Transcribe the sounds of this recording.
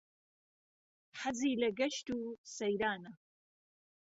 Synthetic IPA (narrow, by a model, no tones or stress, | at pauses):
ħaziːlɐɡɐʃt̪uːsɐjɾaːnɐ